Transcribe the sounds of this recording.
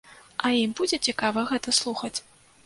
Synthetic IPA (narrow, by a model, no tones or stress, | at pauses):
ɐimbud͡zʲɛt͡sʲikavɐɣɛt̪ɐslˠuxɐt͡sʲ